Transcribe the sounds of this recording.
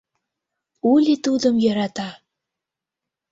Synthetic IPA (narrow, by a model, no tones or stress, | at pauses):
ulʲit̪ud̪əmjɑɾɑt̪ɑ